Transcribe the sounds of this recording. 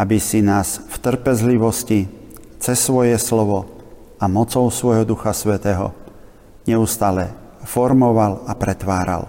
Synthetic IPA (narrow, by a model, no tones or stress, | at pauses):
abisinaːsft̪r̩pɛzliʋɔsci | t͡sɛsːʋɔjɛslɔʋɔ | amɔt͡sɔʊsʋɔjɦɔd̪uxasʋɛt̪ɛːɦɔ̰ | ɲɛust̪aːlɛ | fɔɾmɔʋalapɾɛt̪ʋaːɾa̰l